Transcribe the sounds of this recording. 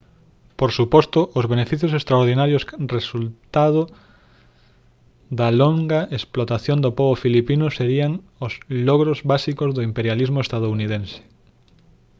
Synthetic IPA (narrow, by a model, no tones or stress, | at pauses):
poɾsupɔst̪ʊʔozβenefiθjosest̪ɾaoɾðinaɾjosresult̪að̞o | d̪ɐloŋɡaesplot̪aθjond̪opɔβofilipinʊseɾiaŋ | ozlɔɣɾozβasikozðoimpeɾjalizmoest̪að̞ouniðense̥